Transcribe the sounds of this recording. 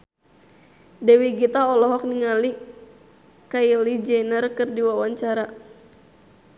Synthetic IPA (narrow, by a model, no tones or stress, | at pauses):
dɛwiɡit̪aɔlɔɦɔk̚niŋali | kailid͡ʒɛnərkɨrdiwawaɲt͡ʃaɾa